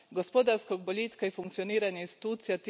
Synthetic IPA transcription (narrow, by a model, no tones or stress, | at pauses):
ɡospod̪aɾskoɡboliːt̪kaifuŋkt̪sioniːɾaɲainst̪i̥t̪uːt̪sijat̪